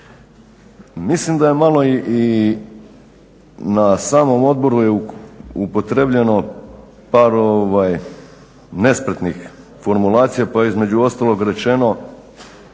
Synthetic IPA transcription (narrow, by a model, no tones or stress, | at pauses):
mislimd̪aje̞malo̞iʔi | nasaːmo̞mo̞d̪̚bo̞ɾujeupo̞t̪ɾebʎeno̞ | paːɾo̞ʋaj | ne̞spɾet̪nix | fo̞ɾmulˠaːt̪sijapaizme̞d͡ʑuo̞st̪alˠo̞ɡɾe̞t͡ʃe̞no̞